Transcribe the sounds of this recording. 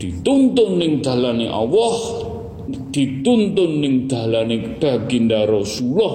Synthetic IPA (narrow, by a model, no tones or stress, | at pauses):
d̪̥it̪unt̪ʊnːɪŋd̪̥ä̤laneʔɔ̰wɔh | d̪̥i̤t̪unt̪ʊnːɪŋd̪̥a̤laneb̥a̤ɡ̥indaɾɔsulɔh